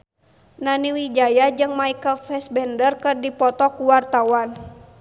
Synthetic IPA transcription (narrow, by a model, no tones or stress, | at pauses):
naniwid͡ʒajad͡ʒɨŋmaikəlfɛsbɛndərkɨrdipɔt̪ɔkuwart̪awan